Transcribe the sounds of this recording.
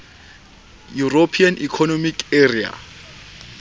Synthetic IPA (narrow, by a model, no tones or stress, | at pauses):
juropʰianḭkʰɔnomikʰʼeria̰